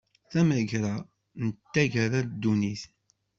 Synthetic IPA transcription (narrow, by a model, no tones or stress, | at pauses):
θæmæʝɾa | nət̪ːæʝəɾæd̪ːuniθ